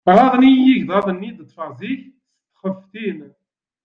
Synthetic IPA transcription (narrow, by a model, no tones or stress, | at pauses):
ʁˤɑðˤnijiʝðˤɑðˤənːid̪ət̪ːˤfəʁziç | st̪ːχəft̪in